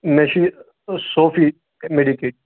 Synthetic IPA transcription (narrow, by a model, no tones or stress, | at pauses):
mɛʃi | soːfi | meɖikeːʈ̚